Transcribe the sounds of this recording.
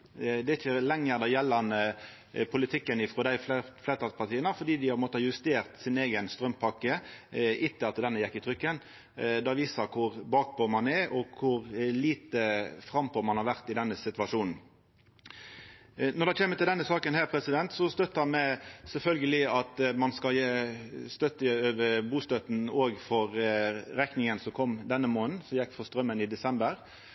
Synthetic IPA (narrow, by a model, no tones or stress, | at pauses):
d̪ɛɪçəlɛŋːəɾd̪ɑjɛlːɑnə | pʰʊlɪt̪ʰɪkːənɪfɾɔd̪æɪflɛːt̪ɑspʰɑʁt̪iːənəfɔd̪iːd̪ɪhɑpmoːt̪əjʉst̪eːʁt̪sɪneːɡənst̪ɾœmpʰɑkːəʔɪt̪ːəɑt̪d̪ɛnːəjɛkːɪt̪ʰɾʏkːən | d̪ɑʋiːsəkʰʊɾbɑːk̚pʰɔmɑnɛɾɔkʰʊɾliːt̪əfɾɑmpʰomɑnhɑɾʋæʁt̪ɪd̪ɛnːəsɪt̪ʋɑʂuːnn̩ | nɔʁɾd̪ɛçʰeːmːət̪ɪld̪ɛnːəsɑːkənhæːɾpʰɾɛsɪd̪ɛnt̪sɔst̪œt̪ːəɑmæɪsɛlfœlɡəlɪɑt̪mɑnskɑljeːst̪œt̪ːəøːʋəɾbuːst̪œt̪noːɡfɔɾɾɛknɪŋənsɔkʰɔmd̪ɛnːəmoːnn̩sɔjɛkːfɔst̪ɾœmːənɪd̪ɛsɛmbəɾ